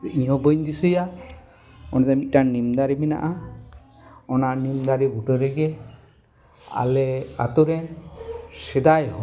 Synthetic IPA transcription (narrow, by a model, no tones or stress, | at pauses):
ʔĩjɔ̃bɔɲd̪isɔja | ɔnt̪amit̪̚ˀʈanimd̪aɾimina̰ʔa | ɔnanimd̪aɾiɡuʈɔɾɛɡɛ | a̰lɛa̰t̪uɾɛn | sɛd̪ajɔ